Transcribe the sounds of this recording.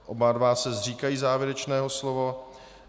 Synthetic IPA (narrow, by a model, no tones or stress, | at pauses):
ʔobadvaːsɛzriːkajiːzaːvjɛɾɛt͡ʃnɛːɦo̞slovo